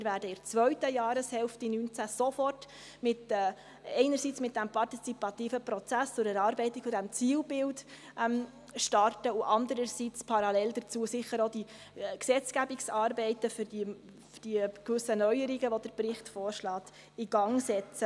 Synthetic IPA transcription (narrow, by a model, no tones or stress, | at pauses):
ɪɾvæːɾdəɪɾt͡sʋœɥtəjɑːɾəshɛlftinyːnt͡sæsɔfɔrt | mɪtɛː | ɛɪnəɾsiːt͡smɪt̚d̥æmpʰɑrtit͡sipɑtiːfəpɾɔt͡sæst͡sʊɾɛɾɑːɾbɛɪtikfʊdæmt͡siːlbɪld | ʔm | ʃtɑrtəʊʔɑndəɾəɾsit͡spʰɑɾɑlɛld̪ət͡suːəsɪχəɾodi | ksɛt͡sɡ̥æbiksɑːɾbɛɪtəfʏɾdi | fd̥ikvʏsːənœʏəɾiɡəʋod̥əɾprɪχtfɔːɾʃlɑːt̪ | iɡɑŋsɛt͡sə